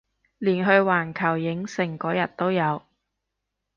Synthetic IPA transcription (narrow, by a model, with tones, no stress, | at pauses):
liː˨˩nɦɵ˧ɥwaː˨˩nkʰɐ˨˩wjɪ˨˥ŋsɪ˨˩ŋkɔː˨˥jɐ˨˩t̚t̪ːo˥wjɐ˨˧w